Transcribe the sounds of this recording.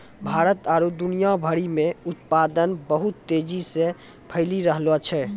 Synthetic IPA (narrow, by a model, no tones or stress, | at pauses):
bʱaɾət̪aɾud̪unijabʱəɾimẽut̪pad̪ənbəɦut̪ːed͡ʒise | pʰəɪliɾəɦlət͡ʃʰɛ